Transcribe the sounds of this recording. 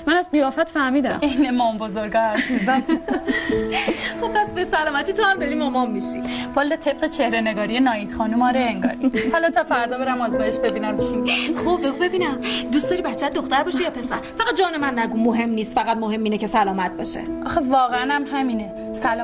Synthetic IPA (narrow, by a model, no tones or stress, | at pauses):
mænæzɢijɒːfæt̪fæɾmiːd̪æmejnemɒːmbozoɾɡɒhæɾsibæl | xob̚pæsbesælɒːmæt̪ʰiːt̪ʰohæmd̪ɒɾimɒmɒmːiʃḭvɒlːet̪ʰe̞b̚ɢet͡ʃʰehɾeneɡɒːɾijenɒːiːd̪̥xɒːnumɒːɾeeŋɡɒ̰ːɾihɔlɒt̪ʰɒfæɾd̪ɒːbeɾæmɒːzmɒːjeʃbe̞biːnæmt͡ʃʰixob̚beɡube̞biːnæmd̪ustd̪ɒːɾibætt͡ʃʰːæt̪d̪oxt̪æɾbɒːʃijɒːpʰe̞sæɾfæɣæt̪̚d͡ʒɒːnemænːæɡumːoɦe̞mniːst̪fæɣæd̪moɦe̞mːiːnecʰe̞sælɒːmæt̪̚b̥ɒ̰ːʃḛʔɒːxevɒːɣeænæmhæmine | sælː